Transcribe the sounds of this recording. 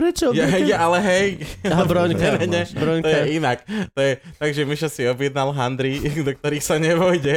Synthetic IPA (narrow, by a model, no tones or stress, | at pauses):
ɾɛt͡ʃɔɔjɦɛjɛalɛɦɛjaɦabɾɔɲkɛanɛɲɛbɾɔɲt̪ɔjɛinakt̪ɔjɛ | t̪aɡʒɛmiʃasiɔbjɛd̪nalɦand̪ɾid̪ɔk̚t̪ɔɾiːxsaɲɛʋɔjɟɛ